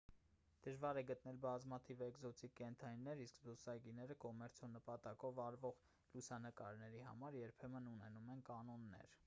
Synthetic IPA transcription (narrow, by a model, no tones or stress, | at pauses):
d̪̥əʒvɑɾɛɡət̪nɛlbɑzmɑt̪ʰivɛɡzɔt͡sikːɛnt̪ʰɑnːɛɾiskbusɑɡinɛɾəkɔmɛɾt͡sʰjɔnːəpɑt̪ɑkɔvɑɾvɔʁ | lusɑnəkɑ̰ɾnɛɾihɑ̰mɑɾjɛɾpʰɛmənunɛnumɛnkɑnɔnːɛ̰ɾ